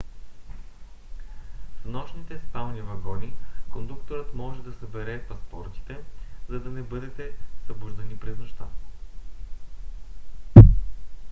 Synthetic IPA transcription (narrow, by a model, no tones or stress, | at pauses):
fnɔʃnit̪ɛsp̪amnivɐɡɔnikond̪ukt̪oɾət̪mɔʒɛd̪ɐsɐbɛɾɛpɐspɔɾt̪i̥t̪ɛzɐd̪ɐnɛbɤd̪ɛt̪ɛsəbuʒd̪ɛnipɾɛznoʃt̪a